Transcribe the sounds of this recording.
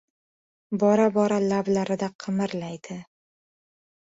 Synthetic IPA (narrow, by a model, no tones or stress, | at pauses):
bɒɾabɒɾalablaɾɪd̪aqʰɨmɪɾlajd̪̥ɪ